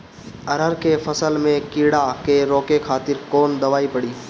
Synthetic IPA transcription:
ɐɾəɾkefʰəsəlmẽkɪɽakeɾoːkekʰaːt̪ɪɾkoːnd̪ɐʋaːipəɽiː

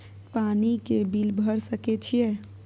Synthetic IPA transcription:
panikebilbʱəɾsəket͡ʃʰijɛ

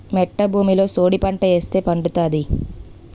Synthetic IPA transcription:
mɛʈːɐbʱuːmilo̞ːsoːɽipɐɳʈɐe̞ːst̪e̞ːpɐɳɖut̪aːd̪i

